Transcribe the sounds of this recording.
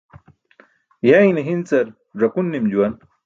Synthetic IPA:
jainɐɦint͡sɐɾ | ʐɐkunːimd͡ʑuwɐn

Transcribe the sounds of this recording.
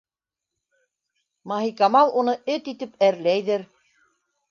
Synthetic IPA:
mɑɦikɑmɑlˠunɤɵt̪it̪ɘpæɾlæjðɘɾ

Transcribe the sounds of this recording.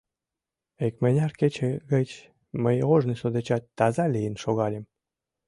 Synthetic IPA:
ekmenʲɑrket͡ɕeɣət͡ɕ | məjoʒnisod̪et͡ɕɑt̪ːɑzɑlijənʃoɣɑlʲĕm

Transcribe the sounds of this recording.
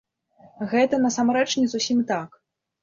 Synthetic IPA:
ɣɛt̪ɐnɐsamɾɛt͡ʂnʲɛzusʲimt̪ak

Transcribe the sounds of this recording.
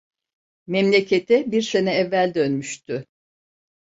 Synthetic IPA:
mɛmlʲe̞cʰe̞t̪ʰɛbiɾse̞nɛɛvːælʲd̪ønmyʃt̪ʰy

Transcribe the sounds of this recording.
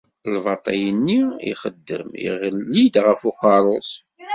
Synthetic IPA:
lvɑt̪ˤɑjənːiḭχəd̪ːə̰mḭʁəlːid̪ʁəfoqːɑɾˤosˤ

